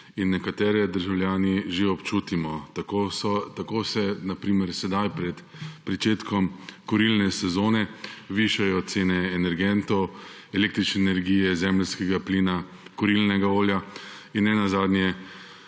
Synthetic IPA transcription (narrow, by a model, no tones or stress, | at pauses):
inːɛkat̪ɛːɾɛd̪əɾʒawljaːniʒeɔpt͡ʃuːt̪imɔt̪kost̪akoːsɛnapɾiːmɛɾsɛd̪ajpɾɛt̪ | pɾit͡ʃeːt̪kɔmkɔɾilnɛsɛzoːnɛʋiʃajɔt̪seːnɛːnɛɾɡɛnt̪ɔw | ɛleːkt̪ɾit͡ʃnɛːnɛɾɡiːjɛzɛmlskɛɡapliːna | kɔɾilnɛɡaoːlja | inːɛnazaːd̪njɛ